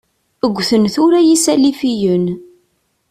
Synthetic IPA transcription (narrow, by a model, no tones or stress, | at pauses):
əɡʷːθənθʊɾæjisælifijən